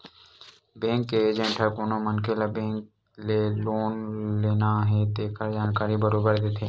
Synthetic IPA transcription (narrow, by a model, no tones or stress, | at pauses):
bẽːŋkːeeːd͡ʒə̃ɳʈʰəkoːnõmənkɪlabẽːŋk̚ | leloːnleːnaɦɛt̪eːkəɾd͡ʒaːnkaːɾibəɾoːbəɾd̪eːt̪ʰeː